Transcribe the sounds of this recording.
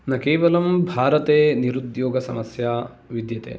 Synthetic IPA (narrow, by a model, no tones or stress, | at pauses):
nɐkeːʋɐlɐmbʱaːɾɐt̪eːniɾud̪joːɡɐsɐ̰mɐsjaː | ʋid̪jɐt̪ḛː